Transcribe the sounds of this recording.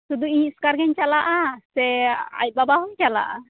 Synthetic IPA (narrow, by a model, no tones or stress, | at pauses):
t̪ud̪uiskaɾɡɛɲt͡ʃalaʔasɛa̰jt̪̚babaɦɔŋt͡ʃala̰ʔa̰